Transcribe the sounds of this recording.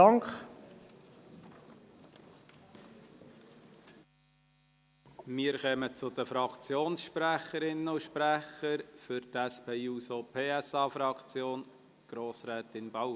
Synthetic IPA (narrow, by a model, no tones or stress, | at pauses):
ɑŋkχ | mɪːəɾxœmət͡sʊd̪əfɾɑkt͡sjoːnsʃpræχəɾɪnːəʊʃpɾæχəɾfʏɾt̪æspeːuːsopʰeːæsɑːfɾɑkt͡sjoːn | ɡ̥ɾoːsɾɛːt̪ɪnbɑ